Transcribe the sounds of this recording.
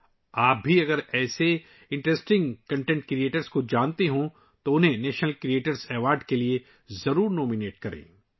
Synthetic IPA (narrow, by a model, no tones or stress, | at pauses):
aːp̚bʱiɐɡəɾɛːse | ɪ̃ɳʈɾesʈɪ̃ŋɡkɐ̃ɳʈẽːɳʈkɾieːʈəɾskod͡ʒaːnt̪eɦõ | t̪oʊnɦẽneːʃnəlkɾieːʈəɾzɛːʋaːɾɖkelie | zɐɾuːɾnɔːmineːʈ̚kɐɾḛ̃ː